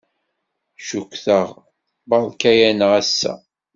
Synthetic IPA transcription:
ʃukʷːθəʁ | bɑðˤkæjænəʁæsːæ̰

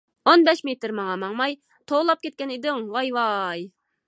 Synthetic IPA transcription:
onbɛʃmet̪ɾmɑŋɑmɑŋmɑj | t̪ʰolˠɑp̚kʲet̪̚kʲɛnɪd̪ɪŋwɑjwɑj

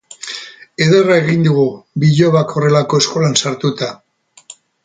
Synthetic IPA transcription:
e̞ð̞erae̞ɣind̪uɣubiʎo̞βakʰo̞re̞lako̞e̞skolansaɾt̪ut̪a

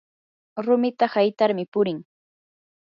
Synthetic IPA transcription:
ɾʊmɪt̪ahajt̪aɾmɪpʊɾɪŋ

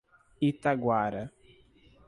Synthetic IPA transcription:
it̪aɡwaɾɐ

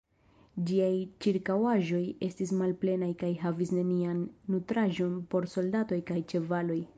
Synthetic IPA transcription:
d͡ʒiajt͡ʃiɾkawaʒo̞je̞stismalple̞najkajɦavisne̞nianːutɾaʒo̞npo̞ɾso̞ldato̞jkajt͡ʃe̞valo̞j

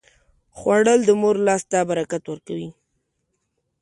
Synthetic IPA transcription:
xwaɽəld̪əmoɾlɑsd̪ɑbaɾakat̪wəɾkawi

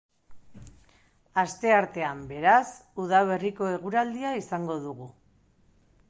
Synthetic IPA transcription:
ast̪e̞aɾt̪e̞ambe̞ɾasuð̞aβ̞e̞riko̞e̞ɣuɾald̪iaisaŋɡo̞ðuɣu

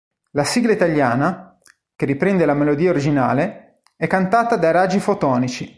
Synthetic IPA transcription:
lasiɡlait̪aʎːaːna | k̟erːipɾɛnd̪elamelod̪iːaoɾid͡ʒina̰ːle | ɛkːant̪aːt̪ad̪aɾad͡ʒifot̪ɔːnit͡ʃi

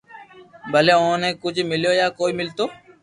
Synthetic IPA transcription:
bʱəleːʊ̃nẽːkʊd͡ʒʱmɪljoːjaːkoːiːmɪlt̪oː

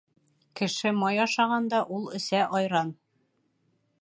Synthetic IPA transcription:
kɘ̆ʃɘmɑjɑʃɑʁɑnd̪ɑʔulˠɵ̆sæʔɒjɾɑn

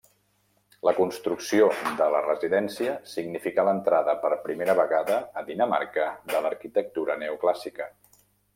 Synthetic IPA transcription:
ləkunst̪ɾuksiod̪ələrəziðɛnsiəsiɡnifikalənt̪ɾaðəpəɾpɾimeɾəβəɣaðəːðinəma̰ɾkəðələɾkit̪ək̚t̪uɾənɛuklasikə

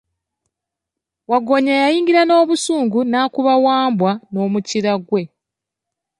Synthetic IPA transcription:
waɡo̞ɲajajiːŋɡiɾano̞ːβusuːŋɡunaːkuβawaːmbwano̞ːmuciɾaɡwe̞

